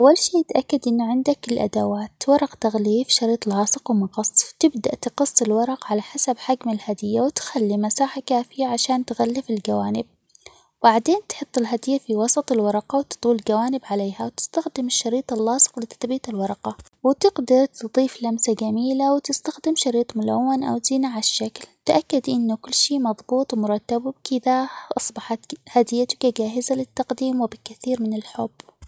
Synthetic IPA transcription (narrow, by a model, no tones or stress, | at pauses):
ʔʔawːalʃiːɪt̪ʔakːad̪ʔɪnːaʕɪnd̪akɪlʔa̰d̪awaːt̪wɑɾˤɑqt̪aɣliːfʃɑɾiːt̪ˤlʕɑːsˤɨqwmɑqɑsˤːt̪ɪbd̪aʔt̪qɨsˤːɪlwɑɾˤɑqʕalaħasabħaɡmalhad̪ɪjːawt̪xalːimasaːħakaːfɪjaʕaʃaːnt̪ɣalːɪfɪld͡ʒawaːnɪb̚ | baʕd̪eːnt̪ħɨt̪ˤːɪlɦad̪ɪjːafiwɑsˤɑt̪ˤɪlwɑɾˤɑqɑwt̪ɨ̥t̪ˤuːld͡ʒawaːnɪbʕaleːhawt̪ɪ̥st̪axd̪ɪmɪʃːɑɾiːt̪ˤɑlːɑːsɨ̥qlɪt̪ḁt̪ˤbiːt̪ɪlwɑɾˤɑqɑ | wɪt̪ɪɡd̪ɑɾˤt̪ɨd̪ˤiːflamsaɡamiːlawɪt̪ɪst̪axd̪ɪmʃɑɾiːt̪ˤmʊla̰wːanʔa̰w̪zɪnaʕaʃːaklt̪ʔakːad̪ʔɪnːʊkʊlːʃiːmɑðˤbuːt̪ˤwmʊɾˤɑt̪ːabbkɪðaʔɑsˤbɑħɑt̪had̪ɪjːat̪ʊ̥kad͡ʒaːɦɪzalɪt̪ːɑqd̪iːmwɪbɪkːaθiːɾmɪnɪlħʊb̥ː